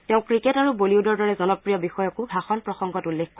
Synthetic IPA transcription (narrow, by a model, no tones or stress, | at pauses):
tɛʊ̃kɹiketaɹuboliudɔɹdɔɹɛzɔnɔpɹijɔbixɔjɔkuɡʱaxɔnpɹɔxɔŋɡɔtulːekk